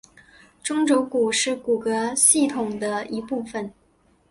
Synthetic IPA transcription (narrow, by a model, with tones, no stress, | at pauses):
ʈ͡ʂʊ˥ŋʈ͡ʂjo˧˥ʊku˨˩ʂɻ̩˥˩ku˨˩kɤ˧˥ɕi˥˩t̪ʰʊ˨˩ŋd̪ə˦i˧˥pu˥˩fə˩n